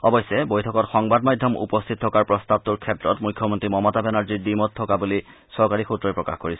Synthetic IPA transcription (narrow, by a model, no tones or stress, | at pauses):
ɔbɔjsːɛbojtʰɔkɔtxɔŋbad̚majdʱjɔmṵpɔst̪ʰit̚tʰːɔkaɹpɹɔstab̚tuɹkʰɛtɹɔtmujkʰːjɔmɔntɹimɔmɔtabɛnaɹziɹdimɔtʰːɔkabuli | sɔɹkaɹixutɹɔjpɹɔka̰xkoɹisɛ